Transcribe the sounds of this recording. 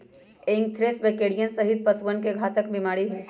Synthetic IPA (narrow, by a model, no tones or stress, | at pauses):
eŋɡ̚t̪ʰɾesbekeːɽijənsəɦit̪̚pɐsʋənkeɡʱaːt̪əkbɪmaːɽiɦɛː